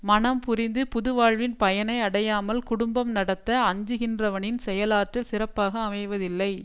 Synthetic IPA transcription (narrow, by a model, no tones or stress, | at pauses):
mɐnɐmpʊrɪnd̪ɯpʊðʊʋaːɻʋɪnpɐjɐnɐɪɐɽɐjaːmɐlkʊɽʊmbɐmnɐɽɐt̪ːɐɐɲd͡ʒɯɣɪndrɐʋɐnɪnsɛjɐlaːʈːɪlsɪrɐpːaːɣɐːmɐɪʋɐðɪlːɐɪ